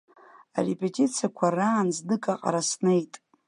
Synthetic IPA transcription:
a̰repʼetʼit͡sʰijakʷʰaraːnznɨkʼaqʼa̰ɾasnejtʼ

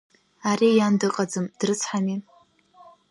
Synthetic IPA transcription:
aɾijandɨqʼad͡zɨmd̥rɨt͡sʰħani

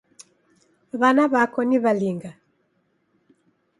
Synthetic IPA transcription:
βanaβakɔniβaliŋɡa

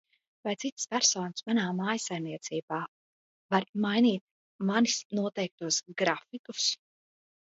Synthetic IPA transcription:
vajt̪sit̪spʲæɾsɔːnsmanaːmaːjsajmniɛt̪siːbaː | vaɾmajniːt̪̚ | manisnuɔt̪ɛjk̚t̪uɔsɡɾafikus

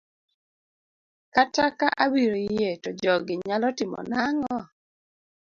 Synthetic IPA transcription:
katakaʔawiɾojetɔd͡ʒɔɡɪɲalɔtɪmɔ̰naŋɔ

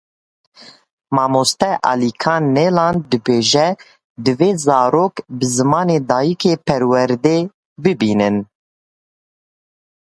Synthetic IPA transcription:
mɑːmost̪ɛʔɑ̰likʰɑːnːelɑːnd̪ɨbeːʒɛ | d̪ɨveːzɑːɾoːkbɨzɨmɑːneːd̪ɑːjikʰeːpʰɛɾwɛɾd̪eː | bɨbiːnɨn

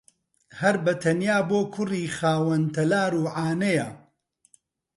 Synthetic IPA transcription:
hɐɾbɐt̪ʰɐnjaːboːkʰʊriːxaːwɐnt̪ʰɐlaːɾuːʕaːnɐjɐ

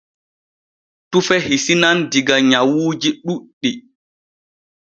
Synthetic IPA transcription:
tufɛhisinandiɡaɲawuːd͡ʒiɗuɗːi

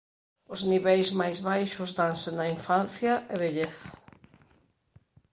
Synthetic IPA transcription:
ʊzniβɛjzmajzβajʃʊzðaŋsɪnɐiɱfanθjɐʔeβeʎeθ

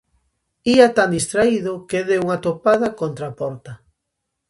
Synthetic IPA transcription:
iat̪and̪ist̪ɾaiðokeðeuŋat̪opaðɐkont̪ɾapɔɾt̪ɐ

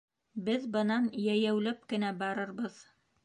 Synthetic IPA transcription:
bɘðbɤ̆nɑnjæjæwlæp̚kɘ̆næbɑɾɤɾbɤð

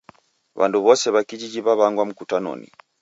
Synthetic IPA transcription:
βa̰nduβɔsɛβakid͡ʒid͡ʒiβaβaŋɡwam̩kutanɔ̰nḭ

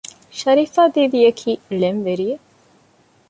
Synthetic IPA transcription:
ʃɐɾiːfaːd̪iːʋijɐkʰiːlenʋeɾije

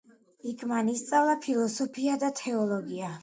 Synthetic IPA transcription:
ikʰmanist̪sʼavlˠapʰilˠɔsɔpʰiad̪at̪ʰɛɔlˠɔɡia

